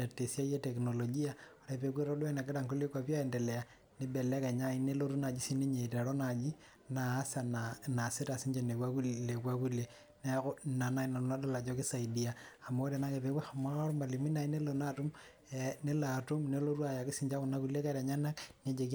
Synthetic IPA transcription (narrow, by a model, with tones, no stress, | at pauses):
a˨tːe˨sja˦je˦tɛ˨kno˨lo˨ɡi˦a˦o˨ɾe˦pe˨kwe˦ɾo˦lwɛ˦na˨ke˦ɾa˦˨ŋku˦le˦kwa˨pja˦ɛ˨ndɛ˨lɛ˨ja˨ | ne˦bɛ˨lɛ˦kɛ˨ɲa˦i˦ne˦lo˦ɾu˦na˨d͡ʒi˦si˦ne˦ɲe˨ta˨ɾɔ˦na˨d͡ʒi˦ | naː˨˦sa˨nana˨si˦ta˨si˦ɲd͡ʒe˨ne˨kwa˦ku˦le˨kwa˦ku˦le˨ | ne˦na˨na˦i˦na˨˦na˦da˦˨la˨d͡ʒɔ˦kɪ˦sa˨i˨di˦a˨a˨mo˦o˦ɾe˨na˦ke˨pe˨ka˨ma˦a˦ɾmba˨li˨mi˦na˨i˦ne˦lo˨na˦tu˦m | ɛne˦la˨tu˦mne˦lo˦ɾu˦a˨ja˨kɪ˦si˦ɲd͡ʒa˦ku˨na˦ku˦le˦ka˦ɾa˨ɲa˦na˦kn˦e˦d͡ʒe˨k